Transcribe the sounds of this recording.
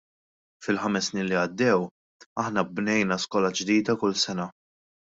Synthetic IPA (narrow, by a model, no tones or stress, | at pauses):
fɪlħɐmɛsːniːnliɐd̪ːɛw | ɐħnɐbnɛjnɐskɔːlɐd͡ʒd̪iːd̪ɐkʊlsɛnɐ